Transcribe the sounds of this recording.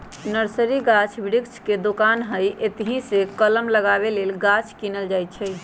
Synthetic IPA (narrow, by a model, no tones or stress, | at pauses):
nəɾsəɾiɡat͡ʃʰbiɽiksʰked̪okanɦəjʔet̪ɦĩsekələmləɡaβelelɡat͡ʃʰkinəld͡ʒajt̪t͡ʃʰəj